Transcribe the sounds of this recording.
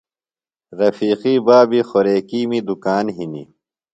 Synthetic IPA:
ɾɐfiːqiːbaːbixoɾeːkiːmid̪ukaːnɦinḭ

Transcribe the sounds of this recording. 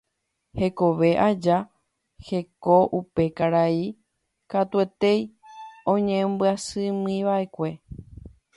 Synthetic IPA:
he̞ko̞ʋe̞ʔad͡ʒa | he̞ko̞ʔupe̞kaɾai | kat̪ue̞t̪e̞jõ̞ɲẽmbɨasɨmɨĩʋaʔe̞kʷe̞

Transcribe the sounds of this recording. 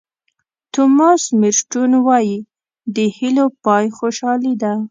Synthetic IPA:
t̪ʊmɑsmɪɾʃʈunwɑji | d̪əhilopɑjxoʃɑlid̪a

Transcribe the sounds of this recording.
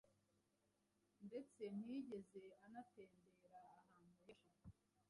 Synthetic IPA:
nde̞t͡se̞mhiːɟe̞ze̞anate̞ːnde̞ɾaːhaːnhujaha

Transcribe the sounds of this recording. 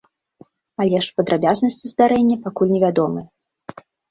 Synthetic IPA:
alʲɛʂpɐd̪ɾabʲaznɐsʲt͡sʲizd̪aɾɛnʲːɐpakulʲnʲɛvʲad̪ɔmɨj

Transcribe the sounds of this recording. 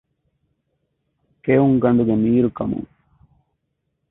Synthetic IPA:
keːʋuŋɡɐɳɖuɡemiːɾukɐmṵ

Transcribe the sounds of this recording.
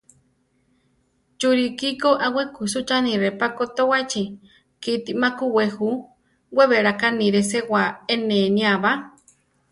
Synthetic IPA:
t͡ʃuɾikikoʔawekusut͡ʃanĩɾepakot̪owat͡ʃi | kit̪imakuwehu | weβeɾakaniɾesewaeneniaβa

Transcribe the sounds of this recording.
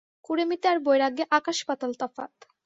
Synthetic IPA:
kuɾemit̪eaɾbojɾaɡeʔakaʃpat̪alt̪ɔfa̰t̪

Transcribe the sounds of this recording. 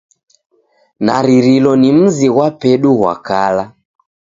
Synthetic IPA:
na̰ɾiɾilɔnim̩ziɣwapɛɗuɣwa̰kala

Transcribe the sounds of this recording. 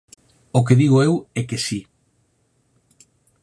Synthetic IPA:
ʊk̬eðiɣʊewɛkesi

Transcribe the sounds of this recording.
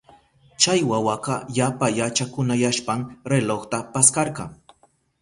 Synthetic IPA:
t͡ʃajwawaqɑjapajat͡ʃakʊnajaʃpaŋɾeloχt̪apaskɑɾɢɑ̰ŋ

